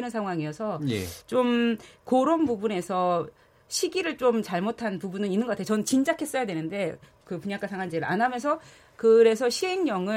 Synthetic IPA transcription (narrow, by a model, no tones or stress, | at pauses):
nɯnsʰaŋɦwaŋijʌsʰʌjḛt͡ɕomkoɾonpubune̞sʰʌ | ɕʰiɡiɾɯɭt͡ɕ͈omt͡ɕaɭmotʰanpubunɯninːɯŋɡʌkatʰejot͡ɕʌnɯnt͡ɕind͡ʑakʰe̞s͈ʌjadwe̞nɯnde̞ | kɯpuɲak͈asʰaŋwant͡ɕeɾɯɾa̰nɦamjʌnsʰʌ | kɯɾe̞s̬ʰʌɕʰiɦe̞ŋɲʌŋɯ